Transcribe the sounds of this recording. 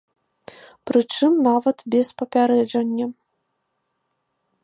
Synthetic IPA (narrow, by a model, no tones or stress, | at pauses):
pɾɨt͡ʂɨmnavɐt̪bʲɛspɐpʲaɾɛd͡ʐɐnʲːɐ